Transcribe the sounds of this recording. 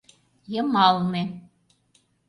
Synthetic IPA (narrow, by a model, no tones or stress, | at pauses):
jəmɑlˠne